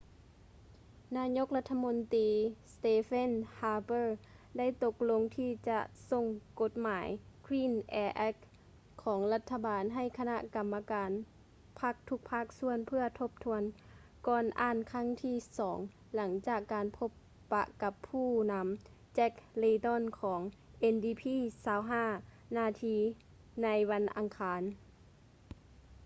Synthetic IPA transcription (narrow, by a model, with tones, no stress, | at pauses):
naː˧˥ɲo˧˥k̚la˧˥t̪ʰːa˧mo˧˥nt̪iː˨˦st̪eː˧fe˥˨nhaː˧bɤː˧˩ | da˥˩˨jt̪o˧k̚lo˧˥ŋt̪ʰiː˧˩t͡ɕa̰˧ʔso˧˨ŋko˧˦t̪̚maː˩˦jkʰwiː˧˥˨nʔɛː˧˩ʔɛ˧˥k̚ʰː | ɔː˩˦ŋla˧t̪ʰːa˧baː˨nɦa˧˩jkʰa˧na̰˧ʔka˨mːa˧kaː˨n | pʰa˦˥k̚t̪ʰu˧˥k̚pʰa˦˥k̚su˧˥ənpʰɯ˧ɐt̪ʰo˧˥p̚t̪ʰu˧ən | kɔː˧nʔaː˧˥˨nkʰa˧˥˨ŋt̪ʰiː˧˥˩sɔː˩˦ŋ | la˩˦ŋt͡ɕaː˧˨˩kːaː˨npʰo˧˥pː | a̰˧ʔka˧˦pʰːuː˧˩na˧˥m | t͡ɕɛ˦˧˥k̚leː˧t̪ɔ˧˥˨nkʰɔː˩˦ŋʔe˧ndiː˧pʰiː˧˨saː˧wɦaː˧˥˩ | naː˧t̪ʰiː˧ | na˧˥jwa˧nʔa˨ŋkʰaː˨˧n